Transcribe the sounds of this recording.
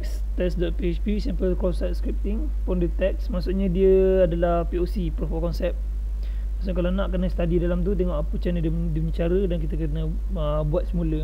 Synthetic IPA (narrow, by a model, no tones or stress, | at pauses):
ɛks | t̪ɛsdɔt̪̚piɛt͡ʃpisɛmpəlkɾɔsat̪skɾip̚t̪iŋ | pʊndut̪ɛksmasʊʔɲãdiəadalahpiosipəɾfɔlkɔnsɛp̚ | masʊʔkalanãʔkənəsə̥t̪adidalamt̪̬ut̪̬eŋɔʔput͡ʃanədə | diɲat͡ʃaɾədank̬it̪əkənə | ə | buat̪̚səmũlə